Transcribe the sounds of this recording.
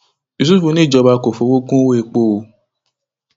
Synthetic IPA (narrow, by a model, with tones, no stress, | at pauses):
i˨s̬u˦fũ˧nĩ˦˨d͡ʒɔ˧ba˧ko˨fo˨˦wo˦kũ˦we˦e˧k͡po˦˧o˧